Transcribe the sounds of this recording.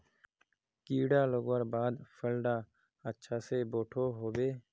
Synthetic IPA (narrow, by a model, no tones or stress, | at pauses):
kiːɖaːloɡwəɾbaːd̪fʰəlɖaː | ətːʃʰaːseːboːʈʰoːɦoːbeː